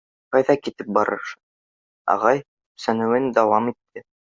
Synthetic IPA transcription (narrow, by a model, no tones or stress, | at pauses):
qɑjðɑkit̪ɘp̚bɑɾɤ̰ɾʃɤ | ɑ̰ʁɑj | sænɘ̆wɘnd̪ɑwɑmit̪ʰːɘ